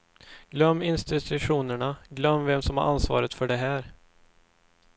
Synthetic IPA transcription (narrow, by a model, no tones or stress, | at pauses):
ɡ̥lœmːɪnst̪ɪt̪ʰɵɧuːnəɳaɡlœmːvɛmsɔmha̰ɾʔansvɑ̰ːɾət̪fœɖɛɦæːɾ